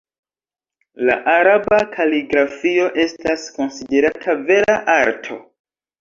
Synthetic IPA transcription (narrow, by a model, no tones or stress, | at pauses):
la̰ʔaɾabakʰaliɡɾafio̞ʔe̞stasko̞nside̞ɾatʰave̞ɾaʔaɾtʰo̞̰